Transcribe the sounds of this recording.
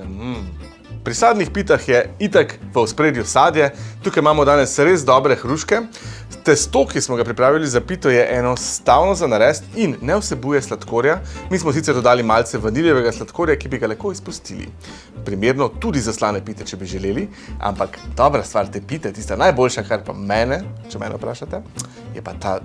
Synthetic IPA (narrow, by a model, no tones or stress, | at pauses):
pɾisaːd̪nixpiːt̪axjɛit̪akʋəwspɾeːd̪jusaːd̪jɛt̪ukajmaːmɔd̪aːnɛsɾezd̪ɔbɾɛxɾuʃkɛ | t̪ɛst̪okismɔɡapɾipɾaːʋilizapiːt̪ɔjɛʔɛnɔst̪awnɔzanaɾɛːst̪inːɛwsɛbuːjɛslat̪koːɾjamismɔs̬it̪sɛɾd̪ɔd̪aːlimalt̪sɛʋɐniljɛʋɛɡaslat̪koːɾjakibiɡalɛxkoispust̪ḭlḭ | pɾimeɾnɔt̪ud̪izaslaːnɛpit̪ɛt͡ʃɛbiʒɛleli | a̰mpakd̪ɔbɾast̪ʋaɾt̪ɛpit̪ɛt̪ist̪anajboːlʃakaɾpa̰mɛːnɛt͡ʃɛmɛ̰nɛ̰wpɾaːʃat̪ɛ | jɛpat̪a